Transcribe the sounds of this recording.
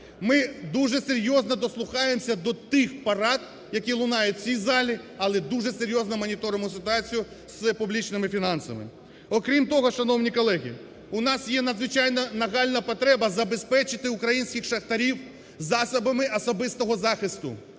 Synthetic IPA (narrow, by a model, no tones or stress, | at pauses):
mɪd̪uʒɛseɾʲjɔznɔd̪ɔslˠʊxɑjemsʲɐd̪ɔt̪ɪxpɐɾɑt̪̚ | jɐkʲilˠʊnɑjʊt̚ʲt͡sʲizɑlʲiɐlˠɛd̪uʒɛseɾʲjɔznɐmɔnʲit̪ɔɾɪmʊsɪt̪ʊɑt͡sʲijʊ | spublʲit͡ʃnɪmɪfʲinɑnsɐ̰mɪ̰ | ɔkɾʲimt̪ɔɦɔʃɐnɔwnʲikɔlˠɛɦʲḭ | ʊnɑsjɛnɐd̪zʋɪt͡ʃɑjnɐnɐɣɑlʲnɐpɔt̪ɾɛbɐzɐbespɛt͡ʃɪt̪ɪʊkɾɐjinʲsʲkʲɪxʃɐxt̪ɐɾʲiw | zɑsɐbɐmɪʔɐsɔbɪst̪ɔɦɔzɑxɪst̪ʊ̰